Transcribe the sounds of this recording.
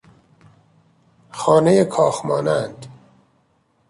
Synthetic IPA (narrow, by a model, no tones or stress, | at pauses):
xɒːnejekʰɒːxmɒːnænd̪